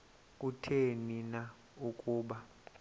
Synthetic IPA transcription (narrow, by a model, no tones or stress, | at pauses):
kʼutʰenina | ukʼuːɓa